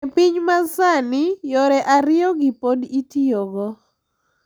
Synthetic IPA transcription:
piɲmasanɪjɔɾɛʔaɾɪɔɡɪpoditioɡɔ

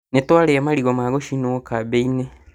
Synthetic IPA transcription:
netwaːleamaɾiɣomaɣoʃinookabeine

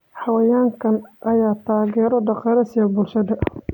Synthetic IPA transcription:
ħɑwɐjaːŋkʰɐnʔɐjaːt̪ʰaːɣɛːɾɔɖɑqɑːɾɐsɪɐbʊlʃɐðɐ

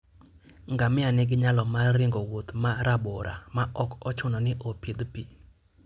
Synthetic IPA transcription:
ŋɡamɪanɪɡɪɲalɔmaɾɪŋɡowot̪maɾaboɾʔa̰maʔɔkɔt͡ʃʊnɔnɪʔɔpid̪pi

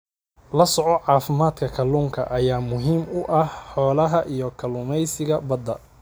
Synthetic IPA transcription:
lɐsɔʕɔʕɑːfɪmaːd̪kʰɐkʰɐluːŋkʰɐ̰ʔɐjaːmʊɦiːmʊʔɐhħɔːlɐɦɐʔijɔkʰɐlʊːmɛjsɪɣɐbɐd̪ːɐ̰

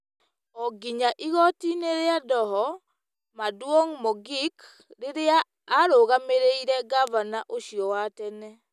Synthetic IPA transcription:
ɔɡiɲaʔiɣɔtineɾeadɔɦɔ | madwoŋmoɡik | ɾeɾeaː | ɾoɣameɾeiɾɛɡavanaʔoʃijɔwatɛnɛ

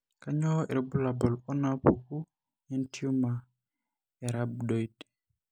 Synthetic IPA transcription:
kaɲɔɛɾbulabɔlɔnapuku | jantʰiuma | ɛɾabdojd

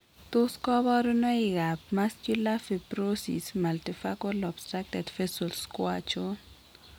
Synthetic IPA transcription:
t̪ʊskɔbɔɾɔnɔɪɣap̚maskulafepɾosḭsmaltifakɔlɔbstɾak̚tɛdfɛsɔlskwat͡ʃɔ

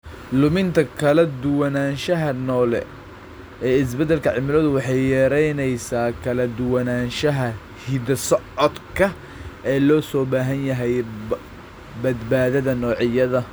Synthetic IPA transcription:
lʊmɪnt̪ʰɐkʰɐlɐd̪ʊwɐnaːnʃɐɦɐnɔːlɛ̰ | ɛːɪs̬bɛd̪ɛlkʰɐʕɪmɪlɔːðʊwɑħɑjjɛːɾɛjnɛjsaːkʰɐlɐd̪ʊwɐnaːnʃɐɦɐ | hid̪ɐsɔʔɔd̪kʰɐ | ʔɛːlɔːsɔːbaːɦɐnjɐɦɛj | bɐd̪baːðɐðɐnɔːʕɪjɐðɐ

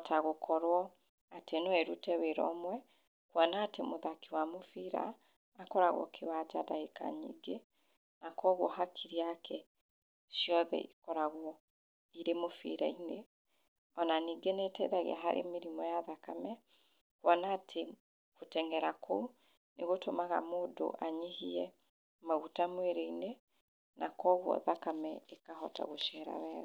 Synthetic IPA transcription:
ɔtʰaɣokʰɔɾwɔ | atenɛwɛɾutɛweɾɔ̰mwɛ | kwanaːtemoðakʰiwamofiɾa̰ː | kɔɾaɣwɔ̰kʰewad͡ʒadaeka̰ɲḭɡe | nakɔɣwɔɦakʰiɾiakʰɛ | ʃiɔðɛ̰ḭkɔɾaɣwɔ | iɾemofḭɾaine | ɔnaniːɡenɛtɛðaɣḛaɦaɾʔḛmeɾimɔjaðakamɛ | kwanaːtʰe | ɣotɛŋɡɛɾakou | neɣotomaɣa̰moːdo̰ʔaɲehiɛ | maɣutamweɾeine | nʔakɔɣwɔ̰ðakamɛekaɦɔ̰ta̰ɣoʃɛɾa̰wɛɾa

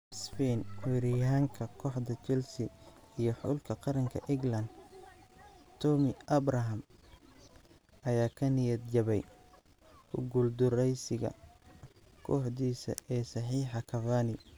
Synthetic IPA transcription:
sfɛːnwɛɾɪjaːŋkʰɐkʰɔːħd̪ɐt͡ʃɛlsi | ijɞħʊ̰lkʰɐqɑɾɐŋkʰɐ̰ʔɪɡlɐnd̪ | t̪ʰɔːmɪʔɐbrɐɦɐm | ʔɐjaːkʰɐnɪjɐd̪d͡ʒɐβɛ̰j | kʰʊ̰ɡʊld̪ʊɾɛjsɪɣɐ̰ | kʰɔːħd̪iːsɐ̰ɛːsɑħiːħɑkʰɐvaːnɪ

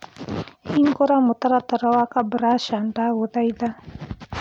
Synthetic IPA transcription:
hiŋkoɾamot̪aɾat̪aɾawakabəɾaʃaɳɖawod̪ajd̪a

